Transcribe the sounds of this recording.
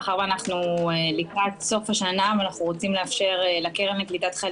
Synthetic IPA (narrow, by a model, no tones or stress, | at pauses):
χaʁvanaχnuelikʁat̪so̞faʃanavanaχnuʁo̞t͡simleafʃe̞ʁelakeʁemeklit̪at̪χal